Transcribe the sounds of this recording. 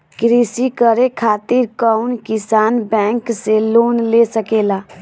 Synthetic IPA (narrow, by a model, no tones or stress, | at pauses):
kɾisikəɾekʰaːt̪ɪɾkəʊnkɪsaːnbɛ̃ːŋkseloːnlesəkelaː